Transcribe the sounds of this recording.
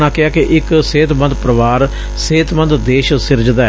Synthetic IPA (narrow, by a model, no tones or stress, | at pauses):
nãːkɪaːkeʔɪkseːt̪bə̃nd̪pɾəʋaːɾ | seːt̪mə̃nd̪d̪eːʃsɪɾd͡ʒd̪a